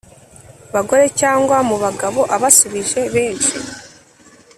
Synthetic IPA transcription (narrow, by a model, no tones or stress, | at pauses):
βaɡo̞ɾe̞caːŋɡwamuβaɡaβo̞ʔaβasuβiʒe̞βe̞ːnt͡ʃi